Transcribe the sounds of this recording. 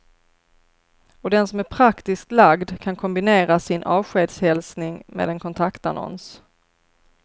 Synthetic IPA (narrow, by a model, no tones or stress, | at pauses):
ɔd̪ɛnsɔmæɾpʰɾakt̪ɪskt̪laɡd̪kʰankʰɔmbɪneːɾasɪnʔɑːvɧeːd̪shɛlsnɪŋmḛːd̪ɛnkʰɔnt̪ʰakt̪a̰nɔ̰ns